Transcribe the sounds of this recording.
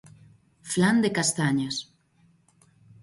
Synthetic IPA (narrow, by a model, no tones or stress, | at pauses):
fland̪ekast̪aɲas